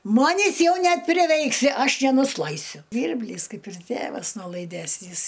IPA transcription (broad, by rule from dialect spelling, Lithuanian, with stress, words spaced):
ˈmɑːnʲɪs ˈjɛʊ nʲɛpʲrʲɪˈʋʲɛɪksʲɪ ˈɐʃ nʲɛnʊsˈlˠɐɪsʲʊ ˈʒʲʋʲiːrʲbʲlʲiːs ˈkɐɪp ɪr ˈtʲeːʋɐs noːlˠɐɪˈdʲæːsʲnʲiːs